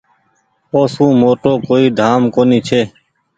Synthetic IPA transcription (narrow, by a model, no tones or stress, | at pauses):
poːsũːmoːʈoːkoːiːd̪ʱaːmkoːniːt͡ʃʰeː